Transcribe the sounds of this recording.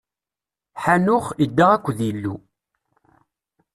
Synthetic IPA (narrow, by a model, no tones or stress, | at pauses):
ħanʊχid̪ːaʁækʷːðjəlːṵ